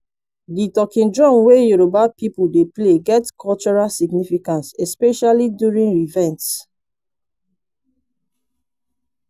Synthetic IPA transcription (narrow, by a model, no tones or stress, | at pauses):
ditɔkĩndɹɔ̃mwejuɹobapipudepleɡɛtkʰɔlt͡ʃɔɹalsiɡnifikãnsɛspɛʃalidjuɹĩnɹivɛ̃nts